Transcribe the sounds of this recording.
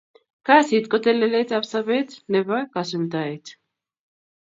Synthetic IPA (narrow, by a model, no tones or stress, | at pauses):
kasit̪kʼɔt̪ɛlɛlɛt̪ʰapsaβɛt̪ʰnɛβakasɛnt̪aɛt̪ʰ